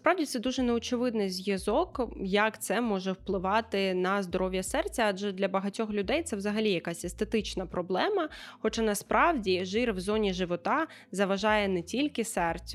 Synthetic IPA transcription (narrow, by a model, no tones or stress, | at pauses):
spɾɑwdʲit̪sɛd̪uʒɛnɛɔt͡ʃɪʋɪd̪nɪjzʲjɐzɔkjɐkt̪sɛmɔʒɛwplˠɪʋɑt̪ɪnɐzd̪ɔɾɔwʲjɐsɛrt͡sʲɐɑd͡ʒɛd̪lʲɐbɐɦɐtʲɔxlʲʊd̪ɛjt̪sɛwzɐɦɐlʲijɐkasʲɛst̪et̪ɪt͡ʃnɐpɾɔblˠɛmɐxɔt͡ʃɑnɐspɾʔɑwdʲiʒɪrwzɔnʲiʒɪʋɔt̪ɑ | zɐʋɐʒɑjɛnɛtʲilʲkɪsɛrt͡sʲ